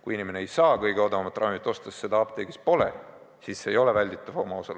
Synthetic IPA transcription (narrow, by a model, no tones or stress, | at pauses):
kujinime̞neejsɑːkɤjɡeod̪ɑmɑt̪ːˑrʔɑmit̪ːˑo̞st̪ɑsːe̞d̪̥ɑɑbt̪e̞ːkespo̞lḛ | siːsːeːjo̞levælʲd̪it̪ːˑɑvo̞mɑosɑl